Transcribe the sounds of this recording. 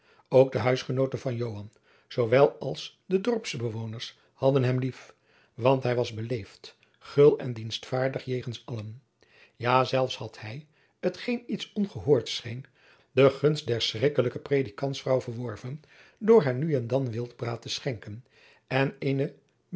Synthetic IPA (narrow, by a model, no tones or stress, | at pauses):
owɡ̚dəɦœɥsχənowtəvɑnjowɦɑn | z̥owʋɛlˠɑlˠs | dədɔɹpsbəʋownəɹs | hɑdənɦɛmlif | ʋɑntɦɛjʋɑzbəlejft | χɵlˠɛndinstfaːɹdəχjejχənsɑlən | jaːzɛlˠfshɑthɛj | ətχejnitsɔnχəɦʊːɹtsχejn | dəχɵnstdɛɹsrɪkələkəprejdikɑntsfrɑwvəɹʋɔɹvən | dʊːɹɦaːɹnyɛndɑnʋɪlˠdbraːtəsχɛŋkən | ɛnenə